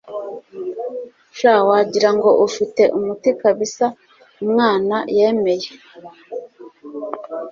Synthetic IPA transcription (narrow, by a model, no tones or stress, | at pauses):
ʃawaɟiɾaŋɡo̞ʔufite̞ʔumutikaβisa | umŋaːnaje̞ːme̞je